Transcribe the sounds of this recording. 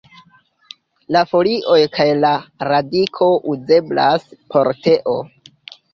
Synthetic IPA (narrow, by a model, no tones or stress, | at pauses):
lafo̞liʔo̞jkʰajlaɾadikʰo̞ʔuze̞blaspʰo̞ɾte̞ʔo̞